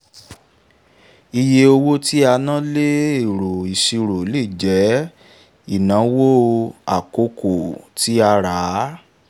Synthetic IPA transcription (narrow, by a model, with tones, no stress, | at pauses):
i˧je˧o˧wo˦ti˦a˧nã˦le˦i˦˨ɾo˨i˨ʃi˧ɾo˨˦li˦˨d͡ʒɛ˨˦ | i˦˨nã˨˦wo˦˧a˨ko˧˦ko˨ti˨˦a˧ɾa˨˦